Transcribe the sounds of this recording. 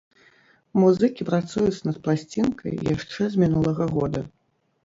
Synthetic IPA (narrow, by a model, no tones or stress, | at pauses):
muzɨkʲipɾat̪sujut͡s̪nɐt̪̚plˠasʲt͡sʲinkʰɐ̰jja̰ʂt͡ʂɛzʲmʲinulˠɐɣɐɣɔd̪ɐ